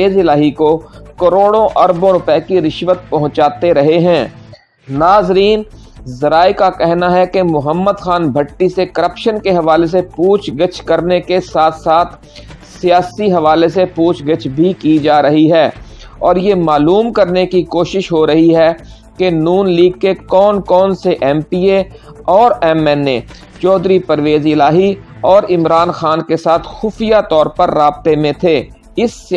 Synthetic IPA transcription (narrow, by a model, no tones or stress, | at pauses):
eːzɪlaːɦikokɐɾoːɽõʔɐɾbõɾʊpɛːkiɾɪʃʋət̪̚pɐɦʊ̃t͡ʃaːt̪eɾɐɦeɦɛ̃ː | naːzɾiːn | zɐɾaːikakɛɦnaɦɛkemʊɦəmːəd̪xaːnbʱɐʈːisekɐɾəpʃənkeɦɐʋaːles̬epuːt͡ʃʰɡɪt͡ʃkɐɾnekesaːt̪ʰsaːt̪ʰ | sijaːsiɦɐʋaːlesepuːt͡ʃʰɡət͡ʃʰbʱikid͡ʒaːɾɐɦiɦɛː | ɔːɾjemaːluːmkɐɾnekikoːʃɪʃɦoɾɐɦiɦɛ | kenuːnliːɡ̚kekɔːnkɔːnseʔɛːmpiːeɔːɾɛːmɛːnːe | t͡ʃɔːd̪ɾipɐɾʋeːzɪlaːɦi | ɔːɾɪmɾaːnxaːnkesaːt̪ʰxʊfijat̪ɔːɾpɐɾːaːb̚t̪emẽt̪ʰeː | ɪs